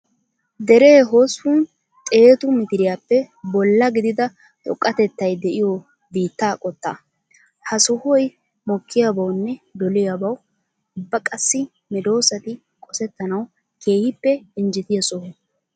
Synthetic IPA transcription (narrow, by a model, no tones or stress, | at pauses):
d̪ɛɾeːɦosun | t̪ʼe̞ːt̪ʊmɪt̪ɪɾɪjaːpːɛ | bɔlːɐɡɪd̪ɪd̪ɐ | t̪ʼɔ̰kʼːɐt̪ɛt̪ːɐjd̪ɛʔɪjɔ | biːt̪ːaːkʼɔt̪ːa̰ː | hɐsɔhɔj | mɔkːɪjabɐwnːɛd̪ɔlɪjabɐw | ʊbːɐkʼɐsːɪ | mɛd̪o̞ːsɐt̪ɪ | kʼɔsɛt̪ːɐnɐw | kʰe̞ːhɪpːɛɪnd͡ʒɪt̪ɪjɐsɔhʊ